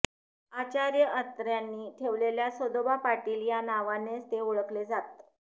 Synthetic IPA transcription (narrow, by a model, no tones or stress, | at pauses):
at͡ɕaɾjəʔət̪ɾjanːiːʈʰeʋleljasod̪obapaʈiːljanaʋanest̪euɭəkled͡zat̪̚